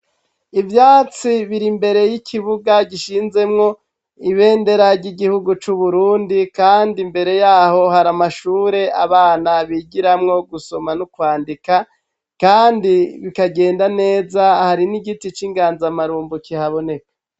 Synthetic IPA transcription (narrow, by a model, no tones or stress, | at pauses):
ivjaːt͡siβiɾimbe̞ɾe̞jikʰiβuɡaɟiʃiːnze̞mŋo̞ | iβe̞ːnde̞ɾaɾɟiɡihuɡut͡ʃuβuɾuːndikaːndimbe̞ɾe̞jaːho̞haɾamaʃuːɾe̞ʔaβaːnaβiːɡiɾamŋo̞ɡuso̞manukwaːndika | kaːndiβikaɡe̞ːndane̞ːzahaɾiniɡitit͡ʃiŋɡaːnzamaɾuːmbukihaβo̞ne̞kḁ